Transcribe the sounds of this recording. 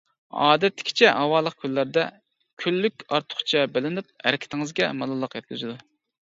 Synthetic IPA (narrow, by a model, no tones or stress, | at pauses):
ɑ̰ːd̪ɛt̪ːɪ̥kʲʰi̥t͡ʃʰɛɦɑwɑlˠəq̚kʲʰylːæɾd̪ɛ | kʲʰylːykʲɑɾt̪ʰʊ̥χt͡ʃʰɛbɪlɪnyp̚hæ̰ɾɪkʲʰɪ̥t̪ʰɪŋɨzɡʲɛmɑlˠɨlˠːəqjɛt̪̚kʲyzɨd̪u